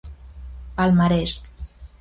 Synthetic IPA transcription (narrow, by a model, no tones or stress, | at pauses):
palmaɾɛst̪